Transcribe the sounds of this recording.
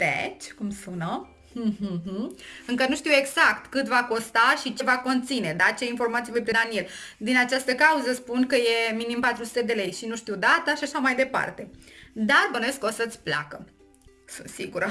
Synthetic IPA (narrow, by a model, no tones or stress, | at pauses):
d̪̥ḛt͡ʃʲkumsunə | ɦ̩ɦ̩ɨŋkənuʃt̪iwe̞ɡz̥akt̪kɨt̪vako̞st̪aʃit͡ʃe̞vako̞nt̪sine̞d̪at͡ʃe̞info̞rmat̪sievojpɾed̪anie̞ld̪inat͡ʃast̪əkauzəspunkəje̞minimpat̪ɾusu̥t̪e̞d̪e̞le̞jʃinuʃt̪iwd̪at̪aʃaʃamajd̪e̞pa̰rt̪e̞d̪arbənoveskəosət̪sʲpla̰kə | sunt̪siɡuɾə